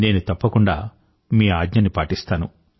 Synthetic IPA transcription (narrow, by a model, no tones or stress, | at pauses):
ne̞ːnut̪ɐpːɐkuɳɖa̰ː | miːaːɡɲɐnːipaːʈist̪aːnu